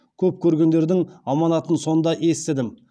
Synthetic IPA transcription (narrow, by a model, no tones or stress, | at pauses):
kʲʰɵp̚kʲʰɵɾɡʲe̞nd̪e̞ɾd̪ɪŋɑmɑnɑt̪ənso̞nd̪ɑʔe̞st̪ɪd̪ɪm